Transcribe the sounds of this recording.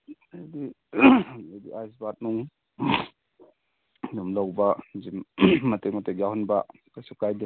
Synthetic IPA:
ajdi | ajdiajsbat̚nuŋ | numlawbɐzimmɐtekmɐtek̬̚jawhunbɐ | kasukajdi

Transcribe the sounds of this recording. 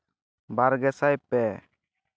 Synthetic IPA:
baɾɡɛsajpɛ

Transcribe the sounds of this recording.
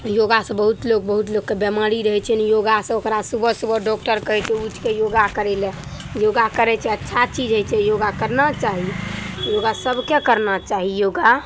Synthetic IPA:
joɡasə̃bəɦut̪loɡ̚bəɦut̪loɡkːebjəmaɾiɾəɦɛt͡ʃʰɛnjoɡasə̃okɾasubəsubəɖɔk̚ʈəɾkəɦɛt͡ʃʰɛuʈʰkejoɡakəɾɛlɛ̃ | joɡakəɾɛt͡ʃʰɛətːʃʰat͡ʃid͡ʒɦəjt͡ʃʰɛjoɡakəɾnat͡ʃaɦijoɡasəbkekəɾnat͡ʃaɦijoɡa

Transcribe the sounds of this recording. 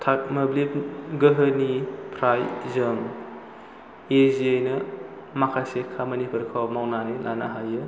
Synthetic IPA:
tʰak̚mɐblip̚ɡəɦɯnipʰɾajzɯŋ | eziejnɐ | makʰasekʰːamɐnipʰuɾkʰawmawnanila̰naɦajɯ

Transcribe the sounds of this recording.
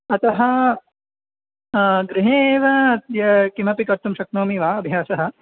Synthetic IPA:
ɐt̪ɐɦɐ | ɡɾɪɦeʋɐːt̪jɐkimɐpikɐɾt̪umʃɐk̚noːmiʋaːɐbʱjaːsɐɦɐ̆

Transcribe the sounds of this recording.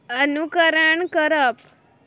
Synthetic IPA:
ənukəɾəɳkəɾəp̚

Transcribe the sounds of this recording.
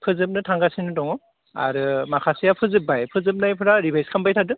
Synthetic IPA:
pʰɯzɯp̚nɯtʰaŋɡasinɯdɔŋɔ | a̰ɾɯmakʰasijapʰɯzɯp̚bajpʰɯzɯp̚najpʰɯɾaɾibʱajskʰambajtʰadɯ

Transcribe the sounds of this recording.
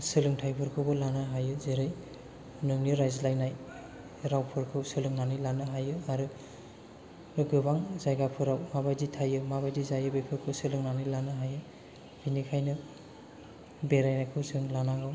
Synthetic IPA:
sɯlɯŋtʰajpʰɯɾkʰɯwbɯlanaɦajɯzeɾaj | nɯŋniɾajzlajnaj | ɾawpʰɯɾkʰɯwsɯlɯŋnanɯjlanɯɦajɯaɾɯ | ɡɯbaŋzajɡapʰɯɾawmabajditʰajɯmaβajdizajɯbepʰɯkʰɯwsɯlɯŋnanɯjlanɯɦajɯ | binikʰajnɯ | beɾajnajkʰɯwsɯɯŋlanaɡaw

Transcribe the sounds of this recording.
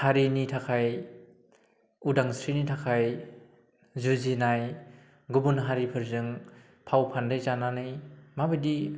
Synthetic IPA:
haɾinitʰakʰaj | udaŋsɾinitʰakʰaj | zuzinaj | ɡubunɦaɾipʰɯɾzɯŋ | pʰawpʰandɯjzananɯjmabɯjdi

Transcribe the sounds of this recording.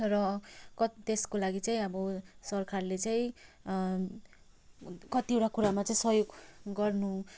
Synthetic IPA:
rʌkʌt̪eskolaɡit͡saĩʌbʌsʌrkʰarlet͡saĩ | kʌt̪iewʈakuɾamat͡saĩsʌjoɡɡʌrnu

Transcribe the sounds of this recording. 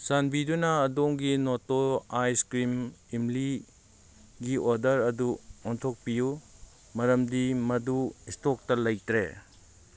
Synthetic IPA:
sanbidunɐːdoŋɡinotoajskɾimimli | ɡioɾdɐɾɐduɔntʰok̚piju | mɐɾɐmdimɐduistok̚tɐlɐjtɾḛ

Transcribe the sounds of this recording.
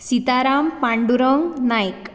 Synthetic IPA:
sit̪aɾampaɳɖuɾɔŋɡnajk

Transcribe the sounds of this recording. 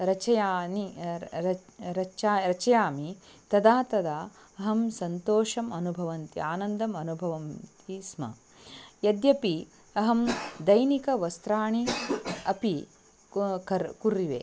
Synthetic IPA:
ɾɐt͡ʃɐjaːniɐɾɐt͡ʃaːɾɐt͡ʃɐjaːmit̪ɐd̪aːt̪ɐd̪aː | ɐɦɐmsɐnt̪oːʃɐmɐnubʱɐʋɐnt̪ḭaːnɐnd̪ɐmɐnubʱɐʋɐnt̪ismɐ̰ | jɐd̪jɐpi | ɐɦɐmd̪ɐjnikɐʋɐst̪ɾaːɳiɐpi | kɐɾkuɾiʋḛː

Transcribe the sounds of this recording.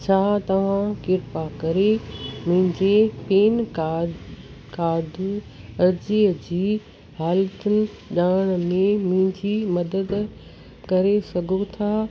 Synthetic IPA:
t͡ɕʰaːt̪ɐʋ̤ãkɪɾpakɐɾemʊ̃ɦɪ̃ɲd͡ʑepeːnka | kaːd̪ʱ | ɐɾd͡ʑiːəd͡ʑiː | haːlt̪ənɪ̆ | ʄaːɽ̃mẽmʊ̃ɦɪ̃ɲd͡ʑiːmɐd̪əd̪ | kɐɾesɐɡʱot̪ʰaː

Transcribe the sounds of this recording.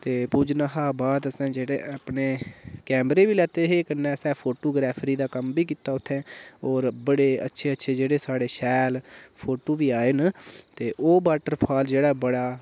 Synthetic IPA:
t̪eːpuːd͡ʒnãːɦaːbaːd̪əsãːd͡ʒeːɽeːapɳeːkɛːmɾeːʋiːlɛːt̪eːɦeːkənːɛ̃ːsɛ̃ːpʰoːʈoːɡɾɛːpʰɾiːd̪aːkəmbiːkiːt̪aːʊt̪ʰːɛ̃ːɔːɾbəɽeːə̰tːʃʰeːətːʃʰeːd͡ʒeːɽeːsaːɽeːʃɛːlpʰoːʈoːʋiːaːeːnt̪eːʔoːbaːʈəɾpʰaːld͡ʒeːɽaːbəɽaː

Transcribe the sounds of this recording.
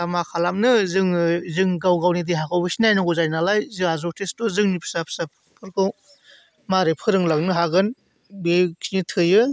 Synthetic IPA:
amakʰalamnɯzɯŋzɯŋɡawɡawnidiɦakʰawbɯsinajnaɡɔzajnalajzɯazɔtʰestuzɯŋnipʰsapʰsapʰpʰɯɾkʰɯw | maɾepʰɯɾɯŋlak̚nɯɦaɡɯn | bekʰinitʰɯjɯ

